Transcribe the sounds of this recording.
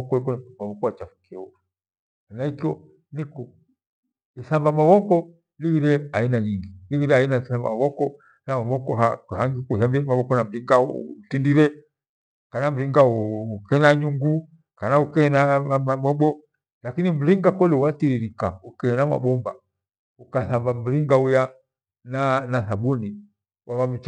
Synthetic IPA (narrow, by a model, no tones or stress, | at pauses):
ɔkɔikɔnmawɔkɔwat͡ʃafu̥kiɔ | anaikiɔ | nikɔ | ɛsambamawɔkɔ | liɡiɾɛainaɲiŋɡiliɡiɾɛainasamba̰maβɔkɔ | namaβɔkɔhahaŋɡikusambiɛmaβɔkɔnam̩liŋɡatindiɾɛ | kanam̩ɾiŋɡaukɛnaɲuŋɡu | kanaukɛnaamamɔɓɔ | lakinim̩ɾiŋɡakɔlɛuwatiɾiɾikaukɛɛnama̰ɓɔmba̰ | ukaθambam̩ɾiŋɡauja | nanasabuni | wawam̩t͡ʃ